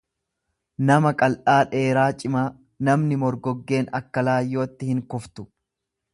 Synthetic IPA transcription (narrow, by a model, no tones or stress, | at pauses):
nɐmɐkʼɐlʔaːᶑe̞ːɾaːt͡ʃʼɪmaː | nɐmnɪmɔɾɡɔɡːe̞ːnɐkːɐlaːjːo̞ːt̪ːɪhɪŋkʊft̪ʊ̥